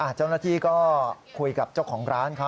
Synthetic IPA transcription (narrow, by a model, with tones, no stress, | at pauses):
ʔa˧˩t͡ɕaː˥˩wnaː˥˩t̪ʰiː˥˩kɔː˥˩kʰu˧jka˨˩p̚t͡ɕa˥˩wkʰɔː˩˦ŋɾaː˦˥nkʰa˦˥